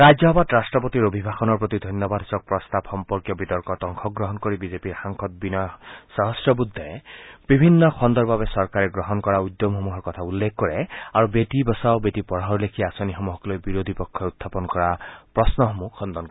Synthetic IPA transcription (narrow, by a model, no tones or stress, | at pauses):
ɹazɔbat̪ɹastɹɔpot̪iɹobʱibʱaxɔnɔɹpɹot̪id̪ʱɔnjɔbadʱɔsɔk̚pɹɔst̪abxɔmpɔɹkjɔbit̪ɔɹkɔtɔŋkʰɔk̚ɡɹɔɦɔnkoɹibizepiɹxaŋkʰɔt̪̚binɔjsaɦɔsɹɔbud̪ʱːɔb̥ibʱinːɔxʰɔnd̪ɔɹbabɛsɔɹkaɹɛɡɹɔɦɔnkɔɹaud̪jomhɔmuɦɔɹkɔt̪ʰaulːekʰkɔɹɛaɹubetibɔsawbetipɔɹaɦɔɹlekʰiasonixɔmuɦɔklojbiɹod̪ʱipɔkʰːɔut̪ʰːapɔnkɔɹapɹɔsnɔɦɔmuxɔnd̪ɔnk